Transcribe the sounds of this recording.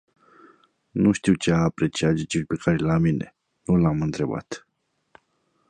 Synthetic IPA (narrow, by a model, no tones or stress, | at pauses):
nuʃt̪iwt͡ʃeaːpɾe̞t͡ʃiat̪ʒit͡ʃilʲpekʰaɾelamine̞̰ | nulamɨnt̪ɾe̞ba̰t̪